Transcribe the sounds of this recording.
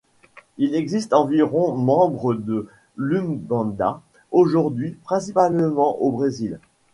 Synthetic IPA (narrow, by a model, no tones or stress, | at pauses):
ilɛɡzist̪ɑ̃viʁɔ̃mɑ̃bʁəd̪ə | lynɡɑ̃d̪a̰ | oʒuʁd̪ɥipχɛ̃sipalmɑ̃ʔobʁezil